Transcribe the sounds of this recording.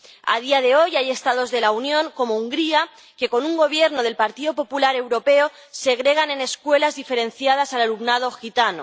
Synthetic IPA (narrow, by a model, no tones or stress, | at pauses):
a̰ðiaðe̞o̞jaje̞st̪að̞o̞zðe̞launjõ̞ŋko̞mouŋɡɾia | ke̞ko̞nuŋɡo̞β̞je̞ɾno̞ð̞e̞lpaɾt̪iðo̞po̞pulaɾe̞wɾo̞pe̞o | se̞ɣ̞ɾe̞ɣ̞ane̞ne̞skwe̞lazðife̞ɾe̞nθjað̞asalalumnað̞o̞xit̪ano̰